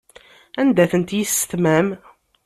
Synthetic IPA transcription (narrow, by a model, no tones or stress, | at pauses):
ænd̪æθənt̪jisə̥θmæm